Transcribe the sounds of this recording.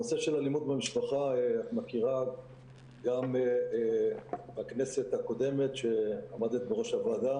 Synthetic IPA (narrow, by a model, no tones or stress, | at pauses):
noseʃelalimud̪bemiʃpaχaeatmakiʁa | ɡam | bakne̞se̞t̪hako̞d̪e̞me̞t̪ʃe̞amad̪et̪̚beʁo̞ʃavad̪a